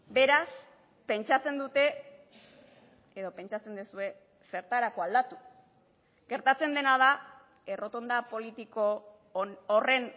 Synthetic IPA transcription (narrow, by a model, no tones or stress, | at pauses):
be̞ɾas | pe̞nt͡ʃat͡se̞nd̪ut̪e̞ | e̞ðo̞pe̞nt͡ʃat͡se̞nd̪esue̞ | se̞ɾt̪aɾako̞ald̪at̪u | ɡ̥e̞ɾt̪at͡se̞nd̪e̞naða | e̞ro̞t̪o̞nd̪apo̞lit̪ikoː | re̞n